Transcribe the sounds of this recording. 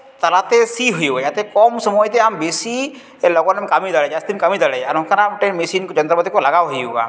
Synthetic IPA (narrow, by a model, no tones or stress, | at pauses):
t̪alat̪esiɦojujat̪ɛkɔmsɔmɔjt̪eambesi | lɔɡɔnɛmkamid̪alɛd͡ʒast̪imkamid̪alɛaɾɔmkʰanaʈeɾmisinkd͡ʒɔnt̪ɾɔpd̪ikɔlaɡawɦojuɡa̰